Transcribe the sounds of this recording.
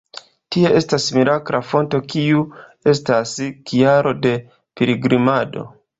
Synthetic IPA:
tie̞ʔe̞stasmiɾakɾafo̞nto̞kiue̞staskijaɾʔo̞de̞ | peɾiɡɾimado̞̰

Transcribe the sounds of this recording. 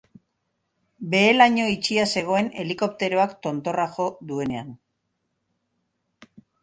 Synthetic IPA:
be̞ːlaɲo̞it͡ʃiase̞ɣ̞o̞e̞ne̞̰liko̞p̚t̪e̞ɾoakt̪o̞nt̪o̞raʝo̞ðue̞ne̞an

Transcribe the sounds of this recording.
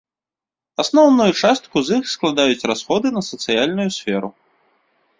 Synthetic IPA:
asnɔwnujut͡ʂast̪kuzixsklˠad̪ajut͡sʲrasxɔd̪ɨnɐsɐt̪sɨjalʲnujusʲfʲɛɾu

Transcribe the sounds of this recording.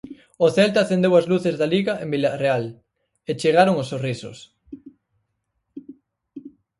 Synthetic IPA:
oθɛlt̪aθend̪ewazluθezðaliɣaʔḛmbilareal | et͡ʃeɣ̞aɾoŋosoriso̰s

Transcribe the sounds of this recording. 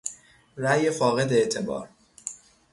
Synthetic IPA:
ɾæjefɒːɣe̞d̪eeʔt̪ʰe̞bɒ̰ːɾ

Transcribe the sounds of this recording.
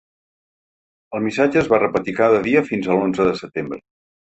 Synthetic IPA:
əlˠmisad͡ʒəːzβarəpət̪ikaðəðiəfinzəlˠonzəðəsət̪embɾə̰

